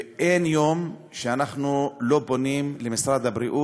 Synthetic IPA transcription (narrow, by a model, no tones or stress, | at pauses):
ʔenjo̞m | ʃeanaχnulo̞bonimlemisɾad̪abɾiʔu